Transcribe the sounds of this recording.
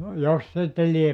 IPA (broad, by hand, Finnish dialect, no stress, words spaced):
jos sitːe liep